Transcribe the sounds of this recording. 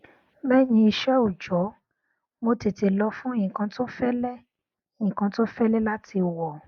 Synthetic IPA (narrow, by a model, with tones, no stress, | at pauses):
bɛ˦˨nĩ˧i˧ʃɛ˦u˦˨d͡ʒɔ˨˦ | mo˧ti˨ti˨˧lɔ˧fũ˦e˦˨ĩ˨kã˧to˦fɛ˦lɛ˦˨ | ĩ˨kã˧to˦fɛ˦lɛ˦la˦tʰi˧wɔ˨